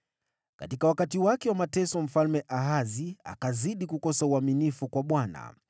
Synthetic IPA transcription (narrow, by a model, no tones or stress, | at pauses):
ka̰tikawakatiwakɛwamatɛsɔm̩falmɛʔaɦazia̰kaziɗikukɔsauaminifukwaɓwana̰